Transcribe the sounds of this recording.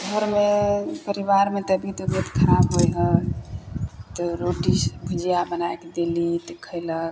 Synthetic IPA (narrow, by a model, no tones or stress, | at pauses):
ɡʱəɾmepəɾibaɾmet̪əbʱit̪obət̪kʰəɾabɦojɦə | t̪ɔɾoʈisbʱud͡ʒijabənajked̪elit̪ekʰəɪlək